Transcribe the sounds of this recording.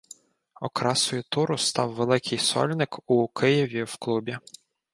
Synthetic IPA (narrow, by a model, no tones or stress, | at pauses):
ɔ̰kɾɑsɔjʊt̪uɾʊst̪ɑwʋelˠɪkʰɪjsɔ̰lʲnɪkʊkʰɪjɪʋʲiwklˠubʲi